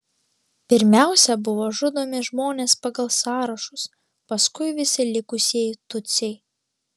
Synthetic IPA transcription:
pʲɪɾʲmʲæˑʊsʲɛbʊʋoːʒʊd̪oːmʲɪʒmoːnʲeːspɐɡɐlˠsɑːɾɐʃʊs | pɐskʊɪʋʲɪsʲɪlʲɪkʊsʲiɛjt̪ʊt̪sʲɛɪ

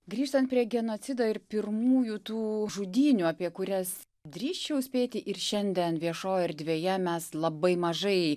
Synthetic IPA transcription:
ɡɾʲiːʃt̪ɐnt̪pʲɾʲiɛɡʲɛnoːt͡s̪ʲɪd̪oːɪɾpʲɪɾmuːjuːt̪uːʒʊd̪ʲiːnʲuːɐpʲiɛkʊɾʲɛs | d̪ʲɾʲiːʃt͡ʃʲɛʊsʲpʲeːt̪ʲɪʔɪɾʃʲɛnʲd̪ʲɛnʋʲiɛʃoːjɪɾd̪ʲʋʲeːjɛmʲɛslˠɐbɐɪmɐʒɐɪ

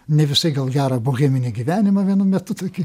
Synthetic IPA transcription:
nʲɛʋʲɪsɐɪɡɐlˠɡʲæːɾɐbʊɣʲɛːmʲɪnʲɪɡʲiʋʲæːnʲɪmɐʋʲiɛnʊmʲɛt̪ʊt̪oːkʲɪ

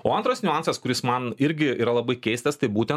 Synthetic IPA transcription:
oːɐnt̪ɾoːsnʲʊɑˑnsɐskʊɾʲɪsmɐnɪɾʲɡʲɪḭːɾɐlˠɐbɐɪkʲɛɪsʲt̪ʲɛst̪ɐɪbuːt̪ʲɛn

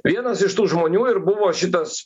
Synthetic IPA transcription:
ʋʲiɛnɐsɪʃt̪uːʒmoːnʲuːɪɾbʊʋoːʃʲɪt̪ɐs

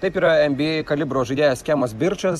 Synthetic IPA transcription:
t̪ɐɪpiːɾɐɛmʲbʲikɐlʲɪbɾoːʒɐɪd̪ʲeːjoːsʲkʲæːmosbʲɪɾt͡ʃɐs

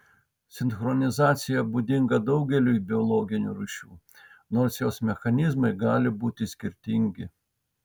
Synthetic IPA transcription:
sʲɪnxɾɔnʲɪzɑːt̪sʲɪjɛbuːd̪ʲɪŋɡɐd̪ɐʊɡʲɛlʲuːbʲɪɔlˠɔːɡʲɪnʲṵːɾuʃʲuː | noːɾsjoːsmʲɛxɐnʲɪzmɐɪɡɑːlʲɪbuːt̪ʲɪsʲkʲɪɾʲt̪ʲɪŋʲɡʲɪ

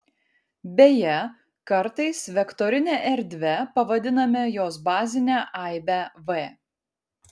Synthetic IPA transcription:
bʲejɛ | kɐɾt̪ɐɪsʋʲɛkt̪ɔɾʲɪnʲɛʔɛɾʲd̪ʲʋʲɛpɐʋɐd̪ʲɪnɐmʲɛjoːs̬bɑːzʲɪnʲæʔɑɪbʲæʋɛ

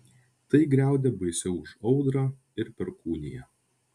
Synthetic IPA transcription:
t̪ɐɪɡɾʲæˑʊd̪ʲɛbɐɪsʲɛʊʊʃɒʊd̪ɾɑː | ɪɾpʲɛɾkuːnʲɪjɛ

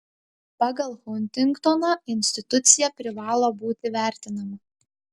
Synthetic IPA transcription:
pɑːɡɐlˠxʊnʲt̪ʲɪŋkt̪ɔnɐɪnʲsʲt̪ʲɪt̪ʊt̪sʲɪjɛpʲɾʲɪʋɑːlˠoːbuːt̪ʲɪʋʲæˑɾʲt̪ʲɪnɐmɐ

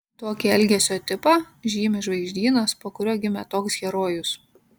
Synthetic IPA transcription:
t̪oːkʲɪɛlʲɡʲɛsʲoːt̪ʲɪpɑ | ʒʲiːmʲɪʒʋɐɪʒʲd̪ʲiːnɐspoːkʊɾʲoːɡʲɪmʲɛt̪oːksɡʲɛɾoːjʊs

